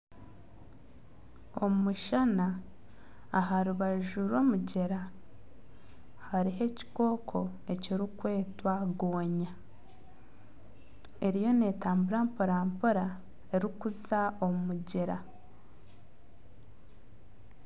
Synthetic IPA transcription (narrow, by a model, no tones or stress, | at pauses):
o̞mumuʃanaː | ɦaɾuβaʒuɾo̞ːmuɟeɾa | haɾiɦe̞ci̥ko̞ːkʰo̞ | e̞ciɾikwe̞ːtwaɡoːɲa | e̞ɾijo̞ne̞ːtaːmbuɾaːmpoɾaːmpuɾa | e̞ɾikuzao̞mumuɟeɾa